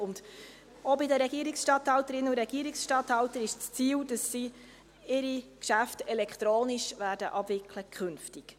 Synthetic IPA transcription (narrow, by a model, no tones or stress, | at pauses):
ʊnd̥ | obɪdəɾɛɡ̥iəɾiksʃtɑthɑwtəɾɪnuɾɛɡ̥iːəɾiksʃtɑthɑwtəɾɪʃt͡st͡siːld̥əsːi | ɪɾikʃæftɛlɛkt̪ɾoːniʃʋæːɾdəʔɑbvɪkʰləkʰχʏnftik